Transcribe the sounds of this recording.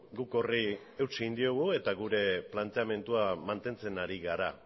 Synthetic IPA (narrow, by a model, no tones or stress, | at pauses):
ɡuko̞ri | ewt͡ʃeɣind̪ioɣue̞t̪aɣuɾe̞plant̪e̞ame̞nt̪uamant̪e̞nt͡se̞naɾiɣaɾa